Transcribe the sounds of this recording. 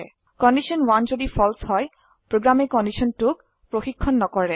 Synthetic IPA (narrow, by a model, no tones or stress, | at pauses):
kɔndisɔnwanzodipʰɔlshɔj | pɹoɡɹamekɔndisɔntʊk̚ | pɹoxikʰːɔnːɔkɔɹɛ